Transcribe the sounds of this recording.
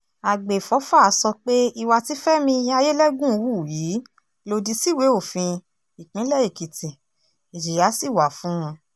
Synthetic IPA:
a˨ɡ͡be˨fɔ˨˦fa˦˨a˨˦sɔ˧k͡pe˦i˧wa˧ti˦fɛ˦mĩ˧ja˧je˦lɛ˦ɡũ˦˧wu˦˨ji˨˦ | lo˧di˧si˦˨we˨˦o˦˨fĩ˧ | i˨k͡pĩ˨˦lɛ˦˨i˦˨ki˨tĩ˨ | i˨ʃi˨ja˨˦si˦˨wa˨fũ˨˦w̃ɔ̃˧

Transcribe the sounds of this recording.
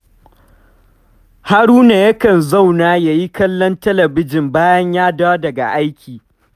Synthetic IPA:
ha˦ɽuː˦na˨jɐ˦kɐ˨nza˦˨wnaː˦ja˨ji˦kɐ˦lːɔ˦ntɐ˦lɐ˨bɪ˦d͡ʒɪ˨mbaː˦jɐ˦ɲjaː˦daː˦dɐ˨ɡa̰˨ʔa˦jkʲʰiː˨

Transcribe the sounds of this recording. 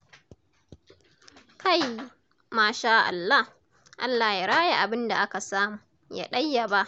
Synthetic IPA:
ka˦˨j | maː˦ʃaː˦ʔa̰˨lːa˦h | ʔa̰˦lːaː˨hjaː˦ɽaː˦ja˦˨ʔa˨bɪ˦nda˨ʔa˦ka˨saː˦muː˨ | ja̰ː˦ɗɐ˦jːa˨ba˦ʔ

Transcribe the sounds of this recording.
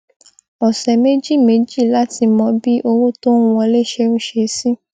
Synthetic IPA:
ɔ˨sɛ˨me˦d͡ʒi˦˨me˨˦d͡ʒi˦˨la˦ti˧mɔ̃˧bi˦ʔo˧wo˦to˦ũ˦wɔ̃˧le˦ʃẽ˧˦ʃe˧˦si˦

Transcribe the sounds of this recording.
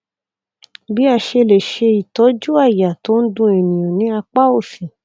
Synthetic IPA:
bi˦a˧˨ʃe˧le˨ʃe˧i˨tɔ˨˦d͡ʒu˦a˦˨ja˨to˨˦n̩˦dũ˧˦e˨nĩ˨jã˨nĩ˨˦a˧k͡pa˦o˦˨fĩ˨

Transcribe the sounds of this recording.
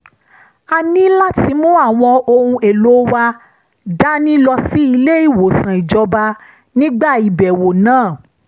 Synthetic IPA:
a˧nĩ˦la˦ti˨˧˦mũ˦a˦˨w̃ɔ̃˧o˧hũ˧e˨lo˨˦wa˧ | da˦nĩ˦lɔ˧si˦i˧le˦i˦˨wo˨sã˨i˨d͡ʒɔ˧ba˧ | nĩ˦ɡ͡ba˦˨i˨bɛ˨wo˨nãː˦˨

